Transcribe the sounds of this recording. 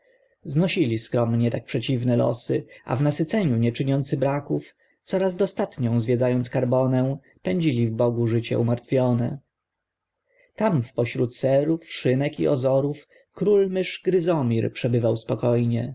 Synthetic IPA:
znɔɕilʲiskɾɔmɲɛt̪ak̚pʂɛt͡ɕivnɛlɔ̰sɘa̰vnasɘt̪sɛɲuɲɛt͡ʂɘɲɔnt̪sɘbɾakuf | t̪sɔɾazd̪ɔst̪at̪ɲɔ̃w̃zvʲjɛd̪zajɔnt̪skaɾbɔnɛw̃ | pɛɲd͡ʑilʲivbɔɡuʐɘt͡ɕɛ̰ʔumaɾt̪fʲjɔnɛ | t̪amfpɔɕɾut̪sɛɾufʂɘnɛkḭʔɔ̰zɔɾuf | kɾulmɘʂɡɾɘzɔmʲiɾpʂɛbɘvawspɔkɔjɲɛ

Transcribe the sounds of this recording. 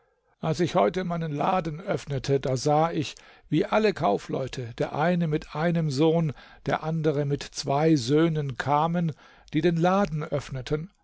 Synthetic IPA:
ʔalsɪçhɔʏtəmaɪnənlaːdn̩ʔœfnətʰədaːzaːɪç | viːʔaləkʰaʊflɔ̰ʏtʰəd̥eːɐʔaɪnəmɪtʰʔaɪnəmzoːnd̥eːɐʔandəʁəmɪtt͡sv̥aɪzøːnənkʰaːmən | d̥iːdeːnlaːdn̩ʔœfnətʰən

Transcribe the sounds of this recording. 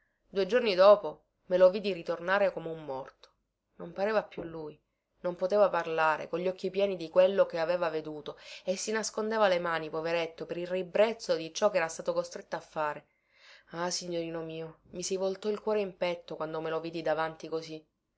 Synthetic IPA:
d̪uːed͡ʒornid̪ɔːpo | melovid̪iɾit̪ornaːɾekomeumːɔrt̪o̥ | nompaɾeːvapjulːuj | nompot̪eːvaparlaːɾḛkoʎːɔk̟ːipjɛːnid̪ikwelːokeaveːvaved̪uːt̪oesːinaskond̪eːvalemaːnipoveɾet̪ːopeɾilribɾet̪sːod̪it͡ʃɔkːɛːɾast̪aːt̪okost̪ɾet̪ːoafːaːɾe | asiɲːoɾiːnomiːomisivolt̪ɔilkwɔːɾeimpɛt̪ːokwand̪omeloviːd̪id̪avant̪ikosi

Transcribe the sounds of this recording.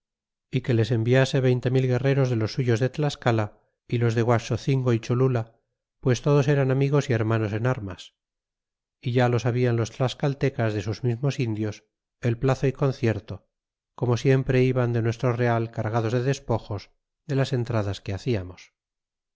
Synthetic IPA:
ike̞le̞se̞mbiase̞βe̞jnt̪e̞milɣe̞re̞ɾo̞zðe̞lo̞sːuʝo̞zðe̞t̪laskala | ilo̞zðe̞ɣwaso̞θiŋɡo̞it͡ʃolula | pwe̞st̪o̞ð̞o̞seɾanamiɣ̞o̞sie̞ɾmano̞se̞naɾmas | iʝalo̞saβianlo̞st̪laskalt̪e̞kazðe̞suzmizmo̞sind̪jo̞s | e̞lplaθo̞iko̞nθje̞ɾt̪o̞ | ko̞mo̞sje̞mpɾe̞iβand̪enwe̞st̪ɾo̞re̞alkaɾɣaðo̞zðe̞ðe̞spo̞xo̞s | ðe̞lase̞nt̪ɾaðaske̞aθiamos

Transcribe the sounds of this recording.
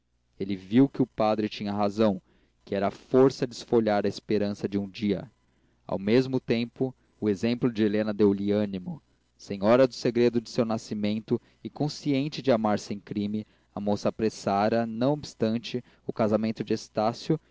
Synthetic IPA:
elɪviwkɪʊpad̪ɾɪt͡ʃĩɲɐɦazɐ̃w̃ | kɪɛɾɐːfoɾsɐd͡ʒɪsfoʎaɾɐɪspeɾɐ̃sɐd͡ʒɪũd͡ʒiɐ̰ | a̰wmezmʊt̪ẽmpʊ | ʊezẽmplʊd͡ʒɪelẽnɐd̪ewlɪɐ̃nimʊ | sẽɲɔɾɐd̪ʊseɡɾed̪ʊd͡ʒɪsewnasimẽnt̪ʊ | ɪkõsiẽnt͡ʃɪd͡ʒɪamaɾsẽj̃kɾĩmɪ | ɐmosɐːpɾesaɾɐnɐ̃w̃obɪst̪ɐ̃nt͡ʃɪ | ʊkazamẽnt̪ʊd͡ʒɪest̪asjʊ

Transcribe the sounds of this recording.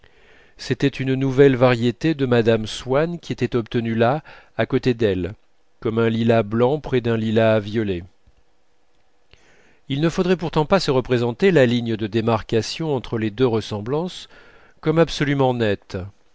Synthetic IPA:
set̪ɛt̪ynnuvɛlvaʁjet̪ed̪əmad̪amswankʲiet̪ɛt̪ɔp̚t̪ənylaakot̪ed̪ɛl | kɔmɛ̃lilablɑ̃pχɛd̪ɛ̃lilavjɔle | ilnəfod̪ʁɛpuʁt̪ɑ̃pasəʁəpχezɑ̃t̪elaliɲəd̪əd̪emaʁkasjɔ̃ɑ̃t̪χəled̪øʁəsɑ̃blɑ̃s | kɔmabsɔlymɑ̃nɛt̪

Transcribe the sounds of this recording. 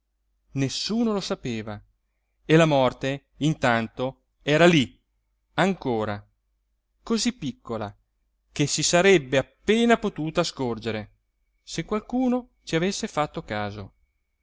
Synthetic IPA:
nesːuːnolosapeːva | elamɔrt̪e | int̪ant̪o | ɛːɾali | aŋkoːɾa | kozipːikʰːola̰ | k̟esisaɾɛbːeapːeːnapot̪uːt̪askord͡ʒeɾe | sekːwalkuːno | t͡ʃiavesːefat̪ːokaːzo̰

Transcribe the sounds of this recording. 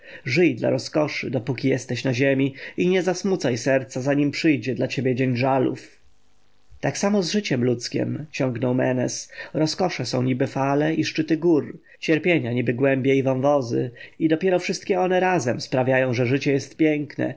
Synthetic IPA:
ʐɘjd̪la̰ɾɔskɔʂɘ̰d̪ɔpukʲijɛst̪ɛɕnaʑemʲiiɲɛzasmut̪sajsɛɾt̪sazaɲimpʂɘjd͡ʑɛd̪lat͡ɕebʲjɛd͡ʑeɲʐalṵf | t̪aksamɔzʐɘt͡ɕɛmlut̪skʲɛ̰mt͡ɕɔ̃ŋɡnɔwmɛnɛsɾɔskɔʂɛsɔ̃w̃ɲibɘfalɛʔiʂt͡ʂɘt̪ɘɡuɾ | t͡ɕɛɾpʲjeɲaɲibɘɡwɛmbʲjeivɔwvɔzɘ̰id̪ɔpʲjɛɾɔfʂɘst̪kʲɛɔnɛɾazɛmspɾavʲjajɔ̃w̃ʐɛʐɘt͡ɕɛjɛst̪̚pʲjɛŋknɛ̰

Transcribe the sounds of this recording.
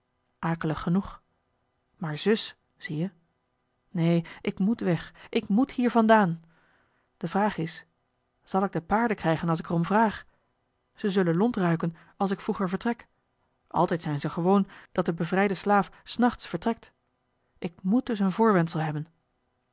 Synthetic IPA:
ʔaːkələχːənuχ | maːɹzɵs | z̥ijə | nejʔɪkmutʋɛχʔɪkmuthiːɹvɑndaːn | d̥əvraːχɪs | z̥ɑlˠɪɡ̚dəpaːɹdəkrɛjχənɑlˠs̬ɪkərɔmvraːχ | z̥əzɵlənlɔntrœɥkən | ɑlˠs̬ɪkfruχəɹvəɹtrɛk | ʔɑ̰lˠtɛjtsɛjnzəχəʋownd̥ɑt̚dəbəvrɛjdəslaːfsnɑχtsfəɹtrɛk̚t | ʔɪk̚mut̚dɵs̬ənvʊːɹʋɛntsəlˠɦɛbən

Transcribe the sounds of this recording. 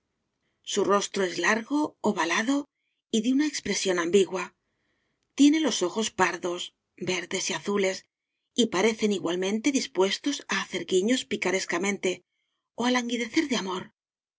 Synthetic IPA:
suro̞st̪ɾoe̞zlaɾɣo̞ːβalaðo̞ | iðeunaekspɾe̞sjo̞nambiɣwa | t̪je̞ne̞lo̞so̞xo̞spaɾðo̞s | be̞ɾðe̞siaθule̞s | ipaɾe̞θe̞niɣwalmẽ̞nt̪e̞ðispwe̞st̪o̞saːθe̞ɾɣiɲo̞spikaɾe̞skamẽ̞nt̪e̞ | oalaŋɡiðe̞θe̞ɾðeamo̞ɾ

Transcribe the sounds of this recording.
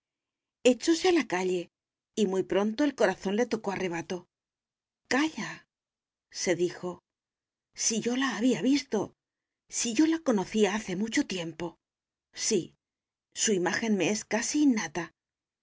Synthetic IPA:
e̞t͡ʃo̞se̞alakaʎe̞ | imujpɾo̞nt̪o̞e̞lko̞ɾaθo̞nle̞t̪o̞ko̞are̞β̞at̪o̞ | kaʎa | se̞ðixo̞ | siʝo̞laːβ̞iaβist̪o̞ | siʝo̞lako̞no̞θiaaθe̞mut͡ʃo̞t̪je̞mpo̞ | si | suimaxe̞nme̞e̞skasiːnːat̪a

